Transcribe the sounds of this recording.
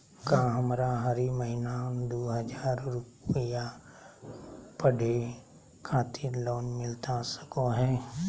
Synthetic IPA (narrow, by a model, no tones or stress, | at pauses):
kãːɦəmɾaɦəɾiməɦɪnad̪oːɦəd͡ʒaːɾɾʊpəja | pəɽʱe | kʰaːt̪ʰiɾloːnmɪlt̪asə̥koɦɛː